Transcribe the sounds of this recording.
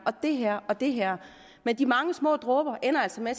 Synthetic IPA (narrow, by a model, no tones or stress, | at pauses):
ʔɒ̽d̥e̝ɦɛɐ̰ɒ̽d̥e̝ɦæɐ̰ | mend̥imɑ̈ŋəsmɔ̰̽ːd̥ʁɔːb̥ɐʔenɐæl̰sɒmæs